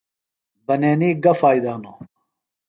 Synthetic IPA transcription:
bɐneːniːɡɐfaːjd̪aːno

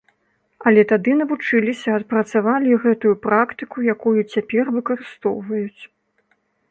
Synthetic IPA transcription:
ɐlʲɛt̪ad̪ɨnɐvut͡ʂɨlʲisʲɐɐt̪̚pɾɐt̪savalʲiɣɛt̪ujupɾakt̪ɨkujakujut͡sʲapʲɛrvɨkɐɾɨst̪ɔwvɐjut͡sʲ

